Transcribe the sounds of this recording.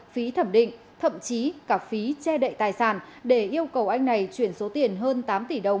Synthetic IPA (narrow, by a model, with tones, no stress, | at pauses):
fi˨˦t̪ʰə˧˩mɗḭ̈˧˨ŋ̟ | t̪ʰə̰˧˨mt͡ɕi˨˦kaː˧˩fi˨˦t͡ɕɛ˧ɗə̰˧˨jt̪aː˨˩jsaː˧˩nɗe˧˩ʔi˧əwkə˨˩wʔa˧jŋna˨˩jt͡ɕwi˧˩ənso˨˦t̪i˨˩ənɦəː˧nt̪aː˨˦mt̪i˧˩ɗə˨˩wŋ͡m